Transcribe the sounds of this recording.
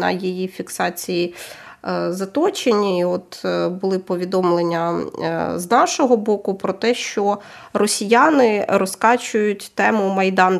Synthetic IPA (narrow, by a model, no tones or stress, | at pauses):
nɐ̰jijifʲiksɑt͡sʲiji | zɐt̪ɔt͡ʃenʲːiiɔt̪bʊlˠɪpɔʋʲid̪ɔmlˠenʲːɐ | znɑʃɔɦɔbɔkʊpɾɔt̪ɛʃt͡ʃɔ | rɔsʲijanɪɾɔskɑt͡ʃʊjʊtʲt̪ɛmʊmɐjd̪ɑn